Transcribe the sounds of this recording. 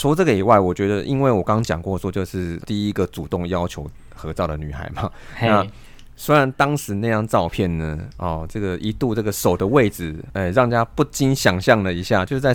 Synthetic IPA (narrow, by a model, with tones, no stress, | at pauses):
t͡sʰu˧˥t͡sɤ˥˩ɡə˩i˨˩wa˥˩ɪwɔ˨˩t͡ɕɥɛ˧˥d̪ə˧ʔi˥nwe˥˩ɪwɔ˨˩kɑ˥˦ŋt͡ɕjɑ˨˩ŋkwɔ˥˧swɔ˥˧t͡ɕjo˥˧ʊʂɻ̩˥˩t̪i˥˩i˦˥ɡə˨t͡su˨˩t̪ʊ˥˩ŋjɑ˥ʊt͡ɕʰjo˧˥ʊ | xɤ˧˥t͡sɑ˥˩ʊd̪ə˩ny˨˩xa̰˨˧˦ɪma˨ | na˥˨ | swe˥ɪɻa˧˦nt̪ɑ˥ŋʂɻ̩˨˧˥na˥˧jɑ˥˧ŋʈ͡ʂɑ˥˧ʊpʰjɛ˥˩nnə˩ɔ˨˩ʈ͡ʂɤ˥˩ɡə˩ʔi˧˥t̪u˥˧ʈ͡ʂɤ˥˩ɡə˩ʂo˨˩ʊd̪ə˦we˥˩ɪd͡zɹ̩˨˩e˥˧ɪɻɑ˥˩ŋt͡ɕja˥pu˥˩t͡ɕi˥nɕjɑ˨˩ŋɕjɑ˥˩ŋlə˨˩i˧˥ɕja˥˩t͡ɕjo˥˧ʊʂɻ̩˥˩t͡sa˥˧˩